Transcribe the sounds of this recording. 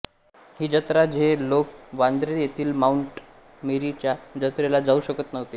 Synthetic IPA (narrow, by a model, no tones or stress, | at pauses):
hiːd͡ʑət̪ɾad͡ʑʱelok̚ʋand̪ɾejet̪ʰiːlmauɳʈ | miɾit͡ɕjad͡ʑət̪ɾelad͡zauɕəkət̪nəʋt̪iː